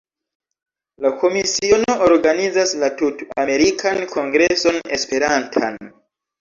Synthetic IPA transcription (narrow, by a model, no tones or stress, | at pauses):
lako̞misio̞no̞ʔoɾɡanizaslatuta̰me̞ɾikʰankʰo̞ŋɡɾe̞so̞ne̞spe̞ɾantʰa̰n